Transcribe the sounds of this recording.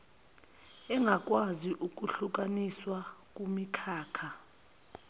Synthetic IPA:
ɛŋʱak̬ʼwaziʔuk̬ʼuɬuk̬ʼaniswak̬ʼumikʰaːkʰa

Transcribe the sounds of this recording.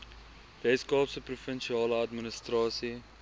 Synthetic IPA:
vɛskɑːpsəprufənʃiɑːləɐtmənəstrɑːsi

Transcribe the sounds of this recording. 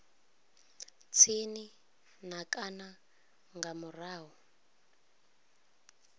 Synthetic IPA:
t͡sʰini | n̤akʼana | ŋɡamuraːɦɔ

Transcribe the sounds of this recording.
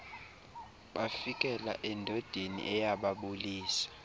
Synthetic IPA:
ɓafik̬ʼɛla̰ʔɛndʱɔd̥ʱenḭʔɛjaɓaɓuliːsḁ

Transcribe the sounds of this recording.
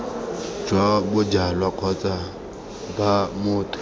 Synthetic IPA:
d͡ʒwabʊd͡ʒalwakʰɔt͡sʼa | bamʊːtʰʼʊ̥

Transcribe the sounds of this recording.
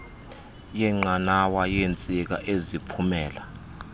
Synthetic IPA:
jɛŋ͡ǃanawajent͡sʼik̬aʔezipʰumɛːla

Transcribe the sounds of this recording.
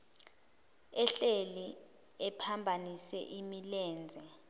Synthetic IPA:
ɛɬeli | ɛpʰambʱanisɛ̰ʔimilɛːnd͡zʱɛ

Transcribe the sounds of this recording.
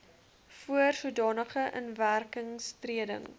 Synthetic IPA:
fuərsudɑːnəχəʔə̰nværkəŋstriədə̰ŋ

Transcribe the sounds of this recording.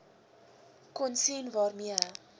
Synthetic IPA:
kɔnsinvɑrmi

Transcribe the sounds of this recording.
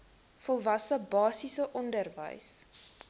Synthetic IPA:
fɔlˠvɐsəbɑːsisəʔɔndərvə̰js

